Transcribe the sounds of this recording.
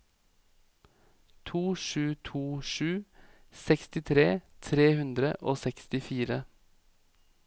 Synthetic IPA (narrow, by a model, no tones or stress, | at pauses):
t̪ʰuːʃʉːt̪ʰuːʃʉːsɛkst̪ɪt̪ʰɾeːt̪ʰɾeːhʉnd̪ɾəʔoːsɛkst̪ɪfiːɾə